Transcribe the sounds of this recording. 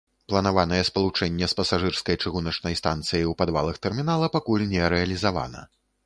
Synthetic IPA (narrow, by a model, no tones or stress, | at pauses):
plˠɐnavanɐjɛspɐlˠut͡ʂɛnʲːɛspɐsaʐɨrskɐjt͡ʂɨɣunɐt͡ʂnɐjst̪ant̪sɨjiwpad̪va̰lˠɐxt̪ɛrmʲinalˠɐpakulʲnʲɛɾɛɐlʲizava̰nɐ̰